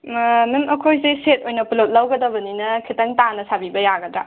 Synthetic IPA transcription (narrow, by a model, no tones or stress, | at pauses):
mimɐkʰojseset̚ojnɐpulot̚lɐwɡɐdɐbɐninɐkʰitɐŋtanɐsabibɐjaɡɐdɾa